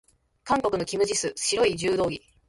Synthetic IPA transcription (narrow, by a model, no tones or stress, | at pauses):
kãŋko̞kɯno̞kʲimɯ̟ʑisɨɕiɾo̞iʑɨːd̪o̞ːɡʲi